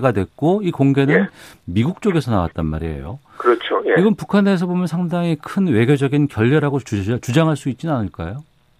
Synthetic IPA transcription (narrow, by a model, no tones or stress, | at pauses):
ɡadwe̞k͈oikoŋɡe̞nɯnmiɡuk̚t͡ɕ͈oɡe̞sʰʌna̰wa̰t̚t͈anma̰ɾiḛjo̰ | kɯɾʌt͡ɕʰojeiɡʌnpukʰane̞s̬ʰʌbomjʌnsʰaŋdaŋikʰɯnwe̞ɡjod͡ʑʌɡinkjʌʎːʌɾaɡot͡ɕut͡ɕud͡ʑaŋɦaɭs͈uit̚t͡ɕinanɯɭk͈a̰jo